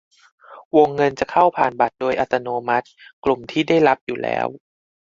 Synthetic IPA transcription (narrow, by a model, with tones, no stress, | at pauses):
wo˧ŋːɤ˧nt͡ɕa˨˩kʰa˥˩wpʰaː˨˩nba˨˩t̪̚doː˧jʔa˨˧t̪a˧noː˧ma˦˥t̪̚klu˨˩mt̪ʰiː˥˩da˥˩jɾa˦˥p̚juː˨˩lɛ̰ː˦˥w